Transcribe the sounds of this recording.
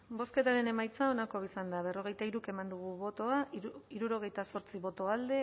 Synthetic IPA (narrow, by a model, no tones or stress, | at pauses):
bo̞ske̞t̪aɾe̞ne̞majt͡sao̞nako̞βisand̪aβ̞e̞ro̞ɣe̞jt̪aiɾuke̞mand̪uɣ̞uβo̞t̪o̞aiɾuɾo̞ɣ̞e̞jt̪aso̞ɾt͡siβo̞t̪o̞ald̪e̞